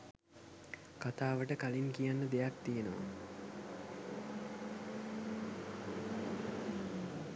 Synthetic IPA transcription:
kat̪aːʋəʈəkaliŋkijanːəd̪ejak̚t̪ijenəʋa̰

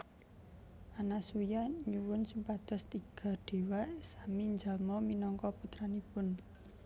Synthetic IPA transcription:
ʔanasujaɲuwʊnsumpad̪̥ɔ̤st̪iɡ̥a̤ɖ̪̥e̤waʔsamiɲd͡ʒalmɔminɔŋkɔput̪ɾanipʊn

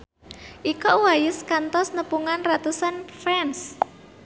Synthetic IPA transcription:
ʔikɔwajɪskant̪ɔsnəpuŋanrat̪usanfɾɛns

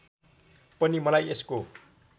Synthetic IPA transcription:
pʌnimʌlajesko

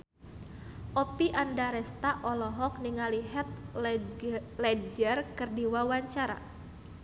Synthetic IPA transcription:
ʔɔpiʔandaɾɛst̪aʔɔlɔɦɔk̚niŋaliɦɛt̪̚ | lɛd͡ʒərkɨrdiwawaɲt͡ʃaɾa̰

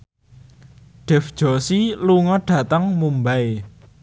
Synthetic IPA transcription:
ɖ̥ɛ̤fd̥ʒ̥ɔ̤siluŋɔɖ̥ä̤t̪əŋmumbae

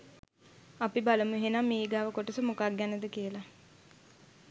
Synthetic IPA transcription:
apibaləmuɦenamːeːiɡaːʋəkoʈəsəmokaɡjænəd̪əkiəla

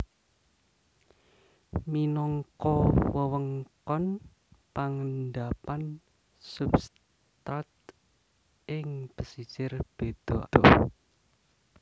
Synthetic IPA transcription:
minɔŋkɔwəwəŋkɔn | paŋəndapan | subs | t̪at̪ | ʔɪŋb̥əsisɪrb̥ed̪̥ɔ̥ɔ

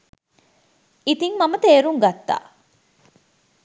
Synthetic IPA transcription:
it̪iŋmɐmət̪eːɾuŋɡɐt̪ːa̰ː

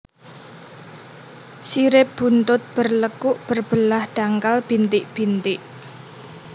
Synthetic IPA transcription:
siɾɪp̚b̥ṳnt̪ʊt̪̚b̥ərləkʊʔb̥ərb̥əlahɖ̥aŋkalb̥i̤nt̪ɪʔb̥i̤nt̪ɪʔ

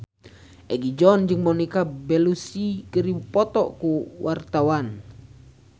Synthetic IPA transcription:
ʔɛɡid͡ʒɔnd͡ʒɨŋmɔnikabɛlusikəɾiupɔt̪ɔʔkuwʔart̪awan

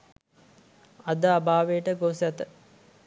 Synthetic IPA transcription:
ad̪əabaːʋeʈəɡosat̪ə

